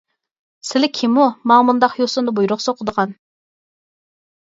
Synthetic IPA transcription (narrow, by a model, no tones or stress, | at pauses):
sɪlɪkʲʰɪmumɑŋmund̪ɑqjosʊnd̪ɑbujɾʊχsoqʰəd̪əʁɑn